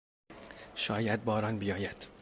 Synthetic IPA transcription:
ʃɒːjæd̪̚bɒːɾɒnbijɒːjæd̪̥

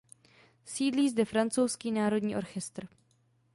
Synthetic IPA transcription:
siːdliːzdɛfɾant͡sowskiːnaːɾo̞dɲiːʔo̞ɾxɛst̪r

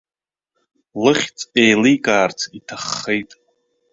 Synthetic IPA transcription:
lɨχʲt͡sʼejlijkʼaːrt͡sʰitʰaχːejtʼ

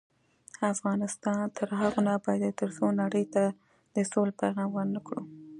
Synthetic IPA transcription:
afɣɑnɪst̪ɑnt̪ʰəɾɦaɣonabɑjad̪t̪əɾsonaɽəjt̪a | d̪̥əsolpajɣɑmwəɾnəkɽṵ

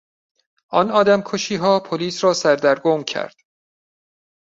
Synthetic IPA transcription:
ɒːnɒːd̪æmkʰoʃiːɦɒːpʰoliːsɾɒːsæɾd̪æɾɡomcʰæ̰ɾd̪̥

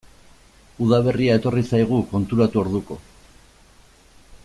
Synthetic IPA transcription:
uðaβ̞e̞riae̞t̪o̞risajɣ̞uko̞nt̪uɾat̪uo̞ɾðuko̞̰

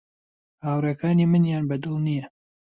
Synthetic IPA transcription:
haːwɾekaːnimɨnjaːnbɐd̪ɨlˠnijɐ

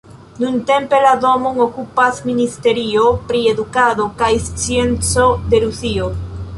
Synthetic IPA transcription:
nunte̞mpe̞lado̞moŋokupasministe̞ɾiopɾie̞d̪ukado̞kajst͡sie̞nt͡so̞d̪e̞ɾusio

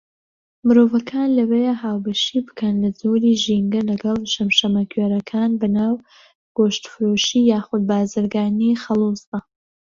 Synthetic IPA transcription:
mɨɾoːvɐkʰaːnlɐwejaɦaːwbɐʃiːbɨ̥kɐnlɐzoːɾiːʒiŋɡɐlɐɡɐlˠʃɐmʃɐmɐkʰɥeːɾɐkʰaːnbɐnaːw | ɡ̥oːʃt̪fɨɾoːʃijaːxʊd̪̚baːzɨɾɡaːnixɐlˠusɐ

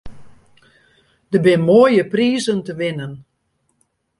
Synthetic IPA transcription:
d̥əbɪnmoːjəpriːzəntəʋɪnən

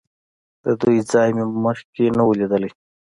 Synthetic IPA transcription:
d̪̥əd̪ujzɑːjmeməʂkenawulid̪əli

